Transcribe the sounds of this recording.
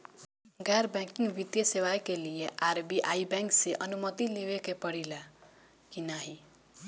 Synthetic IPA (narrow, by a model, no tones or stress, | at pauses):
ɡaɾbãkĩŋɡbit̪jʌsewajkelieʔaɾbiʔaibɛ̃ŋkseʔʌnumət̪ilewekepʌɽila | kinaɦi